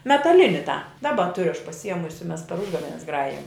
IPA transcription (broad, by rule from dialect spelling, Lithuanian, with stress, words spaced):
mʲɛtɐˈlʲɪnʲɪ tɑː ˈdɑːbɐ ˈtʊrʲʊ ɐʃ pɐsʲɪˈjiɛmʊsʲɪ mʲɛs pʲɛr ˈʊʒɡɐʋʲɛnʲɛs ˈɡrɑːjɪjɛm